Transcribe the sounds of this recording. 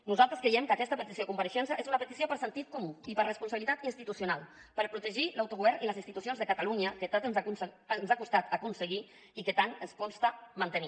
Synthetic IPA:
nuzalˠt̪ɾəskɾejɛmkəkɛst̪əpət̪isiokumpəɾəʃɛnsəʔezunəpət̪isiopəɾsənt̪it̪̚kumuipəɾrəspunsaβilit̪at̪inst̪it̪usjunalˠpəɾpɾut̪əʒilawt̪uɣuβɛɾniləzinst̪it̪usionzðəkat̪aluɲəkət̪at̪ənusənzakust̪at̪akunsəɣi | ikət̪anəskɔnst̪əmant̪əni

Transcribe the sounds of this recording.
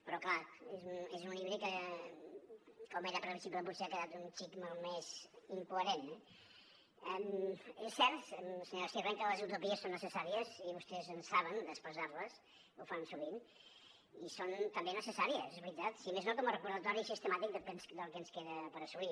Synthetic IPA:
pɾɔklaezunezuniβɾikə | kɔmeɾəpəɾəβisipləp̬ut̪seakəðat̪unt͡ʃikmolˠmeziŋkuəɾenɛ | ɛmesːɛɾt̪əmsəɲoɾsiβɛŋkələzəwt̪upiəsːonːəsəsaɾiəziβust̪ɛzənsaβ̞ənd̪əspɾəzaɾləs | ufansuβin | isont̪əmbenəsəsaɾiəzezβɾit̪at̪simeznok̪omərəpuɾðət̪ɔɾisist̪əmat̪ik̚d̪əlˠkɛnsd̪əlˠkɛənskeðəpəɾəsuβi

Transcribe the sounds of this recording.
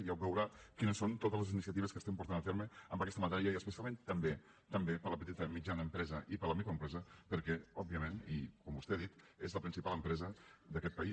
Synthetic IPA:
jawbɛwɾakinəsːont̪ot̪əzləzinisiət̪iβəskəst̪empuɾt̪anəfeɾməəmbəkɛst̪əmat̪ɛɾiəiəspəsjalˠmẽnt̪əmbe | t̪əmbepələpət̪it̪əmid͡ʒanəːmpɾɛzəʔipələmikɾoəmpɾɛzəpəɾkɛɔb̚biəmenikɔmbust̪eaðit̪ | ezləpɾinsipalˠəmpɾɛzəd̪əkɛt̪̚pɐi

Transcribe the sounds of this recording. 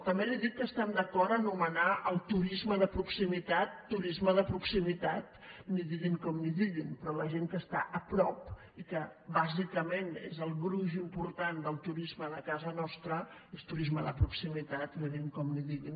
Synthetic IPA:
t̪əmbeliðit̪̚kːəst̪ɛmd̪əkɔɾt̪ənumənaʔəlˠt̪uɾizməðəpɾuksimit̪at̪ːuɾizməðəpɾuksimit̪at̪niðiɣiŋkɔmliðiɣinpɾɔləʒeŋkəst̪a̰ʔəpɾɔp | ikəbazikəmenḛzəlˠɣɾuʒimpuɾt̪and̪əlˠt̪uɾizməːnəkazənɔst̪ɾəest̪uɾizməðəpɾuksimit̪at̪niðiŋkɔmliðiɣin

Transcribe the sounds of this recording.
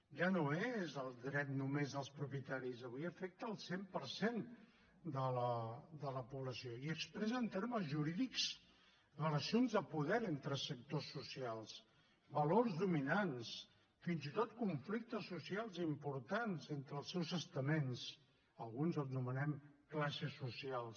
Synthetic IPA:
ʒanoezəlˠd̪ɾɛt̪numezðəlˠspɾupjət̪aɾizəβ̞ujəfɛk̚t̪əːlˠsempəɾsen | d̪ələd̪ələpuβləsijoiəkspɾɛzənt̪eɾməzʒuɾiðiks | rələsionzðəpuðɛɾent̪ɾəsək̚t̪osːusialˠs | bəlorzðuminans | finzit̪ot̪kuɱflik̚t̪əsːusialˠzimpuɾt̪anzent̪ɾəːlˠsɛwzəst̪əmens | əlˠɣunzət̪numənɛmklasəsusialˠs

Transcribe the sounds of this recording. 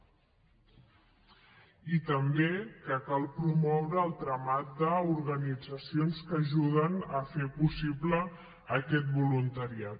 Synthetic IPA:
it̪əmbekəkalˠpɾumɔwɾəːlˠt̪ɾəmat̪̚d̪əuɾɣənid͡zəsionskəʒuðənəfepusibləː | kɛt̪̚bulunt̪əɾiat̪

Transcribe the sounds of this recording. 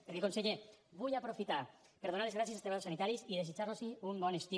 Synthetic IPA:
peɾkekonseʎeβujapɾofit̪a | peɾð̞onaɾlezɣɾasjeast̪eaosanit̪aɾisiðesit͡ʃaɾnosiumbɔnest̪i

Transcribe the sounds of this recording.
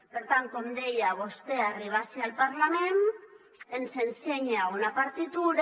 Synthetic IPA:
beɾt̪ant̪ond̪ejaβ̞o̞st̪e̞ariβ̞asialpaɾlamen | ensenseɲeaonapaɾt̪it̪uɾ

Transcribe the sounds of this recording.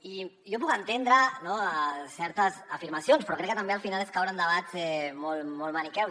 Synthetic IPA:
i | jop̬ukant̪end̪ɾənosɛɾt̪əzafiɾmasjonspɾɔkɾɛkːət̪ambealfinaleskawɾand̪əβazɛmolmolmanikɛw

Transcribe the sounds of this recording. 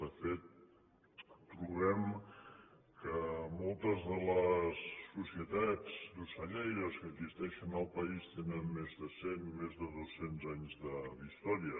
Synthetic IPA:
d̪əfet̪̚ | ɾuβɛm | kəmɔlˠt̪əzðələsːusiət̪ad͡zd̪usəʎɛjɾəskəzist̪ɛʃənəlˠpəist̪enənmezðəsenimezðəðosenzaɲzðəd̪ist̪ɔɾiə

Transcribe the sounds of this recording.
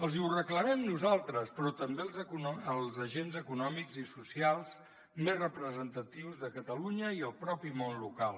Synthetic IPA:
əlˠziurəkləmɛmnuzalˠt̪ɾəspɾɔt̪əmbelˠzuəlˠzəʒenzəkunɔmikzisusialˠz | mezrəpɾəzənt̪ət̪iwzðəkət̪əluɲəiəlˠpɾɔpimonlukalˠ

